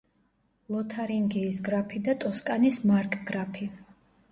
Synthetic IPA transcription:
lˠɔt̪ʰaɾiŋɡiːsɡɾapʰid̪at̪ʼɔskʼanismaɾkʼɡɾapʰi

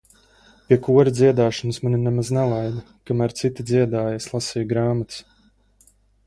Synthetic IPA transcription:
pʲiɛkuɔɾid̪zʲiɛd̪aːʃɔnusmanʲinɛmaznɛlˠajd̪a | kamæːɾt̪sit̪id̪zʲiɛd̪aːjaslˠasijɡɾaːmat̪s

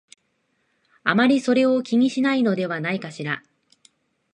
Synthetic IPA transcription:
a̰maɾʲiso̞ɾe̞o̞kʲiɲ̟iɕinaino̞d̪e̞βanaikaɕiɾa

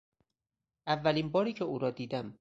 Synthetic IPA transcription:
ʔævːæliːnbɒːɾiːcʰeuːɾɒːd̪iːd̪æm

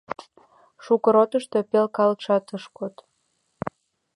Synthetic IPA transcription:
ʃukəɾot̪əʃt̪o̽pelkɑlʃɑt̪əʃkot̪

